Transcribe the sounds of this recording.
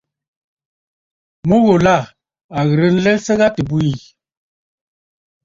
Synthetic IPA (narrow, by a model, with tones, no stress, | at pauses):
mo˦ɣo˨la˦˨ | a˨ɣə˨ɾə˦n̩˦lɛ˦lsə˦ɣa˦tə˨bu˦i˨